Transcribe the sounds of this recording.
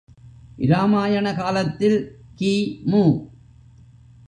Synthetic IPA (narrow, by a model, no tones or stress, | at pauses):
ʔɪɾaːmaːjɐɳɐkaːlɐt̪ːɪlkiːmuː